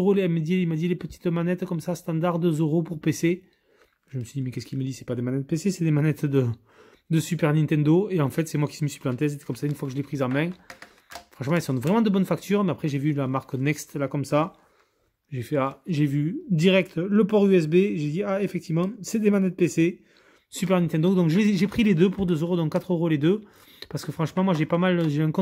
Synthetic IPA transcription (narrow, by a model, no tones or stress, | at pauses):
ʁoleɛməd̪jeimad̪ilepət̪i̥t̪manɛt̪kɔmsast̪ɑ̃d̪aʁd̪əzəʁopuʁpese | ʒəməsɥid̪imɛkʲɛsə̥kʲilməd̪isɛ̥pad̪emanɛt̪̚pesesɛd̪emanɛt̪d̪ə | d̪əsypɛʁnɛ̃t̪ɛ̃d̪oeɑ̃fɛt̪sɛmwakʲi̥səməsi̥plɑ̃t̪ɛs̬et̪ɛ̥kɔmsaynəfwakəʒəlɛpχizɑ̃mɛ̃ | fχɑ̃ʃmɑ̃ɛlsɔ̃d̪əvʁɛmɑ̃d̪əbɔnfak̚t̪yʁmɛapχɛʒevylamaʁknɛkst̪lakɔmsa | ʒefɛaʒevyd̪iʁɛk̚t̪ləpɔʁyɛs̬beʒed̪iaefɛk̚t̪ivmɑ̃sɛd̪emanɛt̪̚pese | sypɛʁnɛ̃t̪ɛ̃d̪od̪ɔ̃ŋkʒəleeʒepχiled̪øpuʁd̪øzøʁod̪ɔ̃kːat̪χøʁoled̪ø | paʁsəkəfχɑ̃ʃmɑ̃mwaʒepamalʒeɛ̃kɔ̃